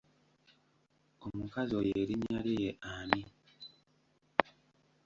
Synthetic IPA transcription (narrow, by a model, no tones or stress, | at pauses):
omukazojeɾiɲalejeʔami